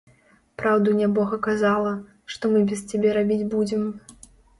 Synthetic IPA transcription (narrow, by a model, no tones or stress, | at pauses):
pɾawd̪unʲabɔɣɐkazalˠɐ | ʂt̪ɔmɨbʲɛst͡sʲabʲɛɾabʲid͡zʲbud͡zʲɪm